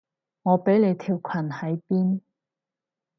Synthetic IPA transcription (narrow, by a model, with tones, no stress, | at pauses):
ŋɔː˨˧pe˨˥jle˨˧jt̪ʰiː˨˩wkʷʰɐ˨˩nhɐ˨˥jpiː˥n